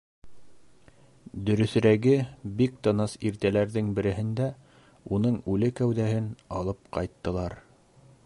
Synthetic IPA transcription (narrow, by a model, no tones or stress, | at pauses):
d̪ɵ̆ɾɵ̆θ̆ɾæɡɘbik̚t̪ɤnɑsiɾt̪ælæɾðɘŋbɘ̆ɾɘ̆ɦɘ̆nd̪æ | unɤɴʉlɘkæwðæɦɘnɑlˠɤp̚qɑ̰jt̪ːɤ̆lˠɑɾ